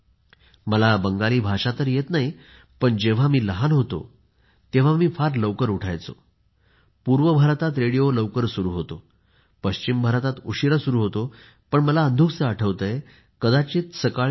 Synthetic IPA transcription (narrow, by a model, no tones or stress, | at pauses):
məlabəŋɡaliːbʱaʂat̪əɾjet̪naɦi | pəɳd͡ʑeʋ̤amiːləɦanɦot̪o̰ | t̪eʋ̤amiːfaɾləʋkəɾuʈʰa̰jt͡so̰ | puɾʋəbʱəɾt̪at̪ɾeɽijoləʋkəɾsuɾuːɦot̪o | pəɕt͡ɕimbʱəɾat̪at̪uɕiɾasuɾuːɦot̪o | pəɳməlaənd̪ʱuksəəʈʰəʋt̪əje | kəd̪at͡ɕiːt̪səkaɭ